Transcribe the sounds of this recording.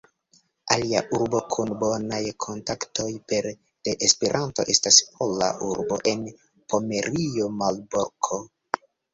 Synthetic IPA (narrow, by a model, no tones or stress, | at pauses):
alia̰ʔuɾbo̞kʰunbo̞najkʰo̞ntaktʰo̞jpe̞ɾ | d̥eʔespe̞ɾʔanto̞ʔe̞staspʰo̞la̰ʔuɾbo̞ʔe̞n | pʰo̞me̞ɾiomalbokʰo